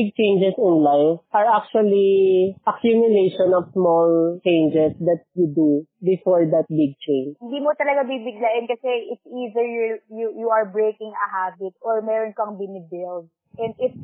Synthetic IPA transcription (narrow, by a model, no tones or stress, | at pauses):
bɪɡ̚t͡ʃẽjnd͡ʒɛsɪ̃nlajvʔɐɹak̚t͡ʃuɐliʔɐkjumjʊleʃɔnɔfsmɔlt͡ʃẽjnd͡ʒɛsd̪ɐt̪̚jud̪ubɪfoɹd̪ɐt̪̚bɪɡ̚t͡ʃẽjnhɪnd̪iːmot̪ɐlɐɡabibɪɡlɐʔɪnkɐsɛɪt̪sizɛɹjjujuʔɐɹbɹejkɪŋɐ̰ɦaːbɪt̪̚ʔoɹmɛːɾɔnkoɐŋbɪnɪbɪld̚ | ʔɛ̃nd̪ɪf